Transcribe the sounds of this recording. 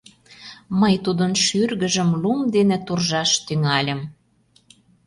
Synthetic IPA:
məjt̪ud̪ənʃyrɣə̆ʒə̆mlumd̪enĕt̪urʒɑʃt̪yŋɑlʲə̆m

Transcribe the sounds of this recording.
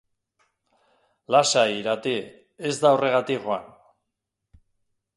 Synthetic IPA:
lasaiɾat̪i | e̞zd̪aore̞ɣat̪ikʝoa̰n

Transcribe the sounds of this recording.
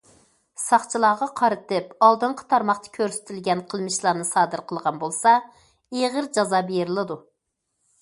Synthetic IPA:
sɑχt͡ʃʰilˠɑːʁɑqʰɑɾɨt̪ɨpɑlˠd̪ɨɴqʰə̥t̪ʰɑɾmɑχt̪ʰɑ̥kʲʰøɾsɪ̥t̪ʰɪlɡʲɛnqʰəlˠmɨʃlˠɑːnɨsɑːd̪ɨɾqʰəlˠʁɑnbolˠsɑ | eʁəɾd͡ʒɑzɑbeɾɨlˠɨd̪u

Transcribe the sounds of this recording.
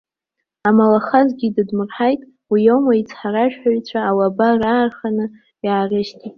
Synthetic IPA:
amalaχazɡʲidɨdmɨrħajtʼ | wijowmait͡sʰħaɾaʒᶣħaɥt͡ɕʷʰaːwabaraːrχanɨ | jaːrɨʃtʰʼitʼ

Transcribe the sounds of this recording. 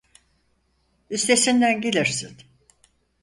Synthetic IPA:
yst̪ʰe̞sind̪ænɟelʲiɾsin

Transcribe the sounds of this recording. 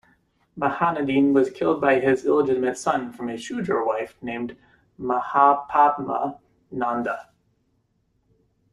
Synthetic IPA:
məhænɨdĩnwʌz̥kʰɪlˠd̚baɪɪzɪlˠəd͡ʒɪɾəmɨtsʌ̃nfɹʌ̃mɨ̥ʃʉd͡ʒə˞waɪfnẽɪ̃md | məhapʰatmə̰ | nɑ̃ndə

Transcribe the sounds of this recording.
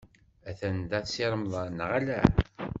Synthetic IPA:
æθænd̪æθsiɾˤəmðˤɑnʁalæ̰

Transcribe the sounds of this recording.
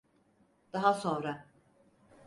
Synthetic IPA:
d̪̥aɦaso̞nɾa

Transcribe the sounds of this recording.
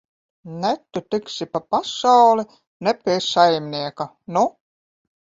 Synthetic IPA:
næt̪ːut̪ɘksipapasawli | nepeːsajmnʲiɛka | nɔ

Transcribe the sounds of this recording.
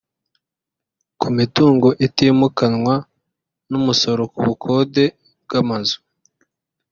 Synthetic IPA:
kumituːŋɡo̞ʔitiːmukanwa | numuso̞ɾokuβukʰo̞de̞ | b̚ɡamazu̥

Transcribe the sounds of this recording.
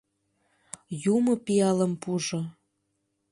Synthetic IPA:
jumɤpiɑləmpuʒo

